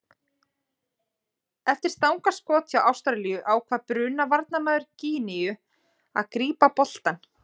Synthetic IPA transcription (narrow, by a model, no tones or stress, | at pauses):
ɛft̪ɪɾ̥st̪awŋkaskɔːt̪ʰjawʔawst̪ɾaɾlijʏʔaːwkʰvaːɾpɾʏːnavaɾt̪̚namaːðʏɾciːnɪjʏ | a̰ðkɾiːpapɔl̥t̪an